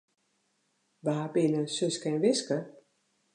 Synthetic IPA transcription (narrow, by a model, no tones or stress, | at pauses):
ʋəɦapinənsøskɛnʋɪskə